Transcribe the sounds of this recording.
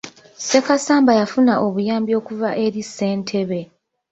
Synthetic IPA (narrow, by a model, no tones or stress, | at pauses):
se̞kasaːmbajafunaʔo̞βujaːmbjo̞ːkuvaʔe̞ɾise̞ːntʰe̞βe̞